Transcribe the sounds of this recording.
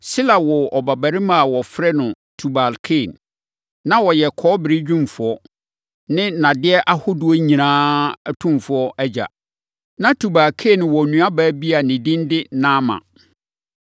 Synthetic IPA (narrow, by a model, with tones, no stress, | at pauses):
sɪ˦la˨wɔ˨ɔ˨ba˨bæ˨ɾɪ˦mã˨wɔ˨fɾɛ˦nʊ̃˨ | tʰu˨ba˨lkʰe˦˨nː | ã˦wɔ˨jɛ˨kʰɔː˦bɪ˨ɾɪ˦d͡ʑᶣũ˦mfʊ˨ɔ˦ | nɪ̃˦nã˨dɪ˦ɛ˦ʔa˦hʊ˦dʊ˨ɔ˦ɲĩ˨nãː˦˨tʰũ˦mfʊ˨˦ɔ˦ʔæ˦d͡ʑa̰˨ | nã˦tʰu˨ba˨lkʰe˦˨n˨wɔ˨nũ˨a˦baː˦bi˦a˨nɪ̃˨dĩ˦n˦dɪ˦nã˦mã̰˨